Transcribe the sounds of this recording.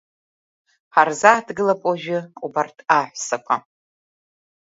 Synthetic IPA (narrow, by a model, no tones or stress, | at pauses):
ħarzaːdɡɨlapʷʼaʒɪubartʰʼaħʷsakʷʰa